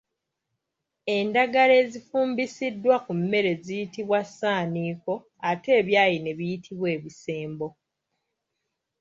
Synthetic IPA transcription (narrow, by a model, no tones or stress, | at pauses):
e̞ndaɡale̞ːzifuːmbisidːwakumːe̞ɾe̞zijitiβwasaːniːko̞ | ate̞ːβjaːjine̞βijitʰiβwe̞ːβise̞ːmbo̞